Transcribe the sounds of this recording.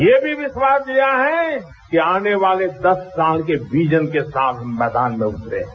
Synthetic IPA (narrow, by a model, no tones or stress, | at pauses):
jeːbʱiʋɪʃwaːsijaɦɛ | kiaːneʋaːled̪ɐsːaːlkeʋiːd͡ʒənkesaːlɦɐmːɛːd̪aːnmẽʊʈt̪eɦ